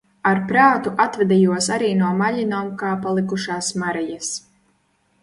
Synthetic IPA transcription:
aɾpɾaːt̪uʔat̪vɛd̪ɛjuɔsaɾiːnuɔmaʎʲinoːmkaːpalˠikuʃaːsmaɾɛjas

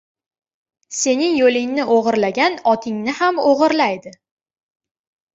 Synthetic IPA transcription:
se̞nɪŋjolɪŋnɪʔoʁɨɾlaɡʲanɒt̪ʰɪŋnɪhamoʁɨɾlajd̪ɪ

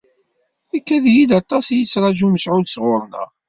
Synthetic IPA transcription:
ækːæðjid̪ɑt̪ˤɑsjit͡sːɾˤɑʒuməsʕud̪sʁʊɾˤnæ̰

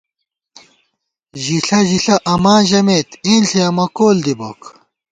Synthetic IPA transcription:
ʑiɬɐʑiɬɐʔɐmaːʑɐmeːt̪iːnɬʰiɐmɐkoːld̪ibok

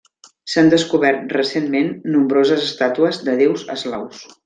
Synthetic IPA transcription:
sand̪əskuβɛrt̪̚rəsenmenːumbɾozəzəst̪at̪uəzd̪əð̞ewzə̰zlaws

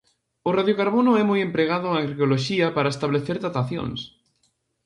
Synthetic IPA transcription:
oraðjokaɾβonoɛmujempɾeɣ̞að̞oaŋɾkoloʃiapaɾaest̪aβleθeɾðat̪aθjo̰ŋs

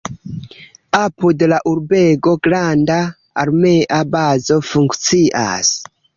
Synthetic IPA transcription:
apudelaʔuɾbeɡoɡɾandaː | ɾmeʔabazofuŋkt͡siʔa̰s

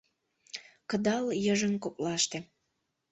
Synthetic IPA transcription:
kəd̪ɑljəʒənkoplɑʃt̪ĕ

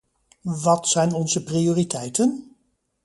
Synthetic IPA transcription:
ʋɑtsɛjnɔnzəprioːritɛjtən

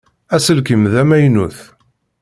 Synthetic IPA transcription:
æsəlkəmðæmæjnuθ

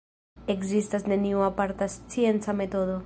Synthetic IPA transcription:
ekzist̪azneniuapaɾt̪ast͡sjent͡samet̪oðo

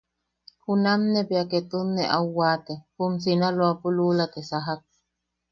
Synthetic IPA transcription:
hunamnepjaket̪unːeʔawːaːt̪ehums̬inalwapululat̪esaɦak̚

